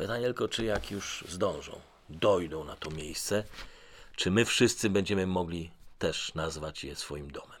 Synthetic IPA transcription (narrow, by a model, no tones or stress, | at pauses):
pɨt̪aɲɛt̪ɛlkɔt͡ʂɘjakjuʐzd̪ɔ̃w̃ʐɔ̰̃w̃ | d̪ɔjd̪ɔ̃w̃nat̪ɔmʲjejst̪sɛ | t͡ʂɘmɘfʂɘst̪sɘbɛɲd͡ʑɛmɘmɔɡlʲit̪ɛʂnazvat͡ɕjɛsfɔjimd̪ɔmɛm